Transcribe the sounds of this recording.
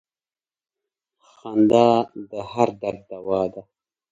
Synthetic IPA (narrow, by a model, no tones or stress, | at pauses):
xand̪ɑd̪əhaɾd̪aɡ̚d̪awɑd̪a